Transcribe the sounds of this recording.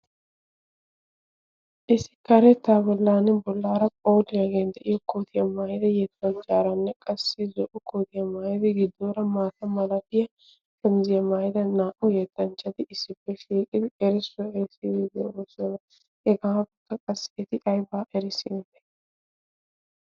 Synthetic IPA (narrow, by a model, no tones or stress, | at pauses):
ʔɪsɪ̥kɐɾɛt̪ːaːbɔlːaːnɪbɔlːaːɾɐpʼoːd̪ɪjaɡeːnd̪ɛʔɪjɔkoːt̪ɪjɐmaːjɪd̪ɐjɛt̪ːɐnt͡ʃʼaːɾɐnːɛkʼɐsːɪzɔʔʊkoːt̪ɪjɐmaːjɪd̪ɪɡɪd̪ːoːɾɐmaːt̪ɐmɐlɐt̪ɪjɐ | kɛmzɪjɐmaːjɪd̪ɐnaːʔʊjɛt̪ːɐnt͡ʃʼːɐd̪ɪʔɪsːɪbːɛʃiːkʼɪd̪ɪɛɾɪsːʊɐɛɾɪsidɪd̪ɪoːsɔnɐ | ɛɡaːbɛkːɐkʼɐsːɛt̪ɪʔɐjbaːʔɛɾɪsɪɪd̪ɛ̥